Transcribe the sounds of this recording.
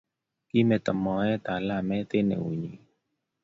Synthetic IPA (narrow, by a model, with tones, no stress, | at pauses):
ki˦mɛ˧˨t̪ɔ˨mɔ˨˦ɛ˦t̪a˨la˧˨mɛ˦t̪e˦nḛ˨ṵ˨ɲi˨